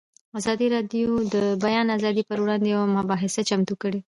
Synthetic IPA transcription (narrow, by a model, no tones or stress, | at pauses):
azɑd̪iɾɑd̪jod̪əbajɑnazɑd̪ipəɾwɽɑnd̪ejawamʊbɑɦɪsat͡ʃamt̪ukəɽe